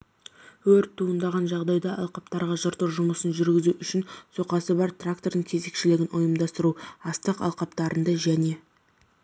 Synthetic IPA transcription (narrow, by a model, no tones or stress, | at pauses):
wɵɾt̪ʰːuənd̪ɑʁɑnʒɑʁd̪ɑjd̪ɑʔɑlˠqɑpt̪ɑɾʁɑʒʊɾt̪əɾʒʊməsənʒʏɾɡʲɪzuʔʏʃɪnso̞qɑsəbɑɾt̪rak̚t̪o̞rd̪əɴkʲʰe̞ze̞kʃɪlɪɡʲɪnʔojəmd̪ɑst̪əɾuɑst̪əqɑ̰lˠqɑp̚t̪ɑɾənd̪ɑʒæne̞